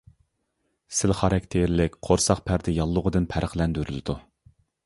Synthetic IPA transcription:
sɪlχɑɾɛkʲt̪ʰeɾlɪkʲqʰoɾsɑq̚pʰæɾd̪ɪjɑlˠːʊʁəd̪ɨnpʰæɾʔəχlɛnd̪yɾyld̪u

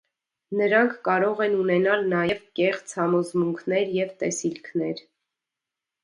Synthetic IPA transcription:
nəɾɑŋkʰkɑɾɔʁɛnunɛnɑlnɑjɛvkɛχt͡sʰhɑmɔzmuŋkʰnɛɾjɛvt̪ɛsilkʰnɛɾ

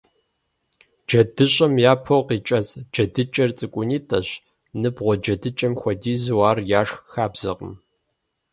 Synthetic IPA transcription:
d͡ʒɐdɨɕʼɐmjaːpʰowqiːt͡ʃʼɐt͡sʼd͡ʒɐdɨt͡ʃʼɐrt͡sʼɨkʷʼʊniːtʼɐɕ | nɨbʁʷɔd͡ʒɐdɨt͡ʃʼɐmxʷɔdiːzɨwɑːrjaːʂxaːbz̥ɐqə̰m

